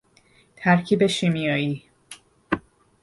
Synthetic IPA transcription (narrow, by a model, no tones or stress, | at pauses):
t̪ʰæɾcʰiːbe̞ʃimijɒːiː